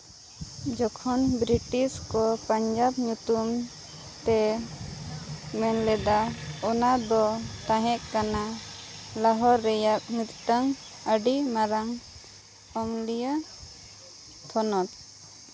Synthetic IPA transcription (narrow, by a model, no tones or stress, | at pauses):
d͡ʒɔkʰɔnbɾiʈiskɔpaɲd͡ʒabɲut̪um | t̪ɛ | mɛnlɛd̪aɔnad̪ɔt̪ãɦɛʔkana | laɦɔɾːɛjak̚nit̪ʈ̪əŋ | əɖimaɾaŋ | ɔmlija | t̪ʰɔnɔt̪̚